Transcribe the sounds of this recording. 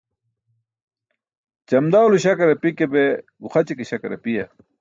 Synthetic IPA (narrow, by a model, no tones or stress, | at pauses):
t͡ɕɐmd̪awluɕɐkɐɾɐpikebeɡuxɐt͡ɕikeɕɐkɐɾɐ̰pijɐ